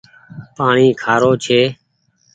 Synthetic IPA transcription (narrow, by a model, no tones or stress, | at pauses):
paːɳiːkʰaːɾoːt͡ʃʰeː